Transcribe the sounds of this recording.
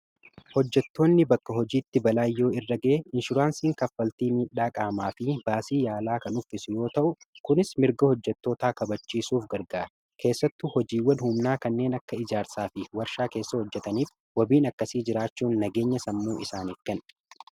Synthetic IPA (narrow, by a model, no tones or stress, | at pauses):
hɔd͡ʒːɛt̪ːo̞ːnːɪbɐkːɐɦɔd͡ʒiːt̪ːɪbɐlaːjːo̞ːɪrːɐɡɐʔɪnʃʊɾaːnsiːŋkɐfːɐlt̪iːmiːᶑaːkʼaːmaːfɪb̥aːsiːjaːlaːkɐnʊfɪsʊjo̞ːt̪ɐʔʊkʊnɪsmɪɾɡɐhɔd͡ʒːɛt̪ːo̞ːt̪aːkɐbɐt͡ʃːiːsuːfɡɐɾɡaː | kʰe̞ːsːɐt̪ːʊhɔd͡ʒiːwːɐnhʊmnaːkɐnːe̞ːnɐkːɐɪd͡ʒaːɾsaːfɪwɐɾʃaːke̞ːsːɐhɔd͡ʒːɛt̪ɐniːf | wɐbiːnɐkːɐsiːd͡ʒɪɾaːt͡ʃːuːnːɐɡe̞ːɲːɐsɐmːuːʔɪsaːnɪɾɡɐn